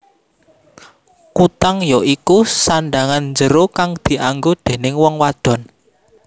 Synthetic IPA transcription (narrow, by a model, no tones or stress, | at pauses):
kut̪aŋjɔikusaɳɖaŋanɲd͡ʒəɾokaŋd̪̥i̤ʔaŋɡod̪̥e̤nɪŋwɔŋwad̪̥ɔ̤n